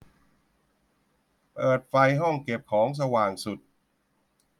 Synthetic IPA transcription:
pɤː˨˩t̪̚fa˧jɦɔ˥˩ŋke˨˩p̚kʰɔː˩˦ŋs̬a˧waː˨˩ŋsu˨˩t̪̚

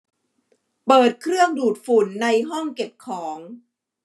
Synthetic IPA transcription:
pɤː˨˩t̪̚kʰɾɯ˥˩əŋduː˨˩t̪̚fu˨˩˦nːa˧jɦɔ˥˩ŋke˨˩p̚kʰɔː˩˦ŋ

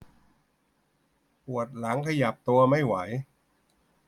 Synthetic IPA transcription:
pu˨˩ət̪̚la˩˦ŋkʰa˧ja˨˩p̚t̪u˧ɐma˥˩jwa˩˦j

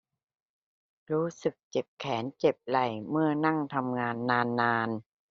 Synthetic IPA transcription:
ɾuː˦˥sɯ˨˩k̚t͡ɕe˨˩p̚kʰɛː˩˦nt͡ɕe˨˩p̚la˨˩jmɯ˥˩ɐna˥˩ŋt̪ʰa˧mŋaː˧nːaː˧nːaː˧n

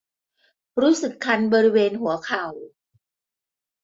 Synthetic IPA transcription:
ɾuː˦˥sɯ˨˩kʰːa˧nbɔː˧ɾi˦˥weː˧nɦu˩˦ɐkʰa˨˩w

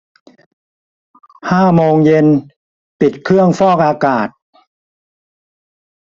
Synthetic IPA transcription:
haː˥˩moː˧ŋje˧n | pi˨˩t̪̚kʰɾɯ˥˩əŋfɔː˥˩k̚ʔaː˧kaː˨˩t̪̚

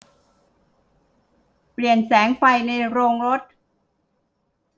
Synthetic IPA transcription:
pli˨˩ənsɛː˩˦˥ŋfa˧jna˧jɾoː˧ŋɾo˦˥t̪̚

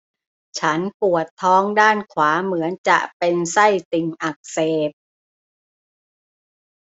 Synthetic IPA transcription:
t͡ɕʰa˦˥npu˨˩ət̪ʰːɔː˦˥ŋdaː˥˩nkʰwaː˩˦mɯ˩˦ənt͡ɕa̰˨˩ʔpe˧nsa˥˩jt̪i˨˩ŋʔa˨˩k̚seː˨˩p̚

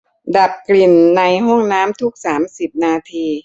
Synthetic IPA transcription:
da˨˩p̚kli˨˩nːa˧jɦɔ˥˩ŋnaː˦˥mt̪ʰu˦˥k̚saː˩˦msi˨˩p̚naː˧t̪ʰiː˧

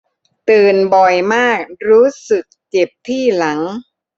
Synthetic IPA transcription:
t̪ɯː˨˩nbɔ˨˩jmaː˥˩k̚ɾuː˦˥sɯ˨˩k̚t͡ɕe˨˩p̚t̪ʰiː˥˩la˩˦ŋ

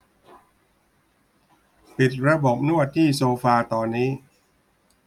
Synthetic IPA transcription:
pi˨˩t̪̚ɾa˧bo˨˩p̚nu˥˩ɐt̪ʰːiː˥˩soː˧faː˧t̪ɔː˧nːiː˦˥

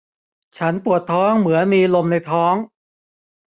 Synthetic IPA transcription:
t͡ɕʰa˦˥npu˨˩ət̪ʰːɔː˦˥ŋmɯ˩˦ɐnmiː˧lo˧mna˧jt̪ʰɔː˦˥ŋ

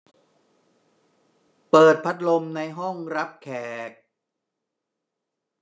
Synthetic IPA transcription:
pɤː˨˩t̪̚pʰa˦˥t̪̚lo˧mna˧jɦɔ˥˩ŋɾa˦˥p̚kʰɛː˨˩k̚

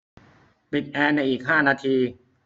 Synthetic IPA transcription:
pi˨˩t̪̚ʔɛː˧na˧jʔiː˨˩k̚ɦaː˥˩naː˧t̪ʰiː˧

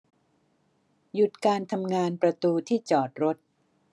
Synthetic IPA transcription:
ju˨˩t̪̚kaː˧nt̪ʰa˧mŋaː˧npɾa˧t̪uː˧t̪ʰiː˥˩t͡ɕɔː˨˩t̪̚ɾo˦˥t̪̚

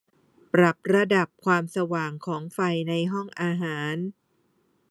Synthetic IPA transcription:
pɾa˨˩p̚ɾa˧da˨˩p̚kʰwaː˧msa˧waː˨˩ŋkʰɔː˩˦ŋfa˧jna˧jɦɔ˥˩ŋʔaː˧ɦaː˩˦n

